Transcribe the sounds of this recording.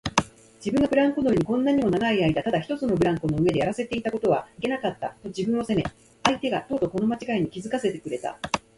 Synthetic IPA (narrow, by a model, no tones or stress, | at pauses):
d͡ʑibɯ̟ŋɡabɯ̟ɾãŋkonoɯeɲ̟ikõ̞nːaɲ̟imo̞naɡaiaid̪at̪ad̪açi̥t̪o̞t͡sɨno̞bɯ̟ɾãŋko̞no̞ɯ̟e̞d̪e̞jaɾase̞t̪e̞it̪ako̞t̪o̞βaike̞nakat̪ːa̰t̪o̞d͡ʑibɯ̟̃ɰ̃o̞se̞me̞ | ait̪e̞ɡat̪o̞ːd̪o̞ko̞no̞mat͡ɕiɡaiɲ̟ikʲizɨkase̞t̪e̞kɯ̟ɾe̞t̪a̰